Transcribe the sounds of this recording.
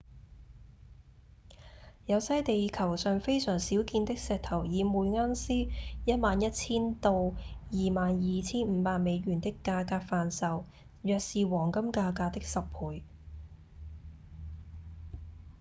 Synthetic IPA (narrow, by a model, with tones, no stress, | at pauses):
jɐ˨˧wsɐ˥jt̪e˨jkʰɐ˨˩wsœː˨ŋfe˥jsœː˨˩ŋsiː˨˥wkiː˧nt̪ɪ˥k̚sɛː˧k̚t̪ʰɐ˨˩wjiː˨˧muː˨jŋaː˥nsiː˥jɐ˥t̚maː˨njɐ˥t̚t͡sʰiː˥nt̪o˧wjiː˨maː˨njiː˨˩t͡sʰiː˥nm̩˨˧paː˨˧k̚me˨˧jɥyː˨˩nt̪ɪ˥kːaː˧kaː˧k̚faː˨nsɐ˨w | jœː˨k̚siː˨wɔː˨˩ŋkɐ˥mkaː˧kaː˧t̪ɪ˥k̚sɐ˨ppʰuː˨˧j